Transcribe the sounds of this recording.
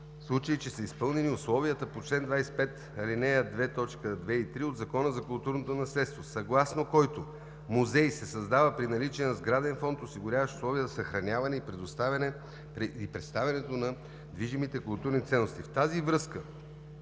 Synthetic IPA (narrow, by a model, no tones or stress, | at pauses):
fslˠut͡ʃəit͡ʃɛsəispɤlˠnɛniʊslˠɔviət̪əpot͡ʃlɛnd̪vajsɛ̥pɛt̪ | ɐlinɛjəd̪vɛt̪ɔt͡ʃkəd̪vɛit̪ɾiod̪zɐkɔnəzɐkʊlˠt̪uɾnot̪onɐslɛt̪st̪vosɐɡlˠasnokɔjt̪o | muzɛjsɛsɐzd̪avəpɾinɐlit͡ʃiənɐzɡɾad̪ɛnfɔnt̪osiɡʊɾʲavəʃʊ̥slˠɔviəzɐsɐxɾɐnʲavɐnɛipɾɛd̪ost̪avʲɐnɛ | pɾɛipɾɛt̪st̪avʲɛnɛt̪onɐ | d̪viʒimit̪ɛkʊlˠt̪uɾnit̪sɛnːost̪ift̪azivɾɤskə